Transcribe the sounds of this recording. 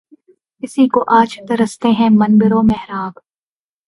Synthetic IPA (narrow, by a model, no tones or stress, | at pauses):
ɪsikoʔaːt͡ʃt̪ɐɾɐst̪eɦɛ̃mɐnbɪɾomɛɦɾaːb